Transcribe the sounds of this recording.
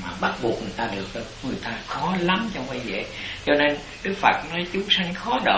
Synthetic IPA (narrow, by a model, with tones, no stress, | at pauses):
maː˨˩ɓa˦˥t̚ɓu˨˩ək̚ŋɨ˨˩əjt̪aː˧ɗɨ˨˩ək̚ə˨˦ŋɨ˨˩əjt̪aː˧xɔ˨˦la˨˦mt͡ɕɔ˧wŋ͡mva˧˦jzḛ˧˨ | t͡ɕɔ˧ne˧n | ɗɨ˦˥k̚fə̰˨˩t̚nɔ˨˦jt͡ɕʊ˨˦ŋ͡msa˧jŋ̟xɔ˨˦ɗə̰˧˨